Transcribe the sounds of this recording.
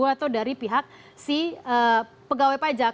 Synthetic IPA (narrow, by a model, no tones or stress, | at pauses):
uaːt̪awdaɾipiɦak̚ | siə | pəɡawepad͡ʒa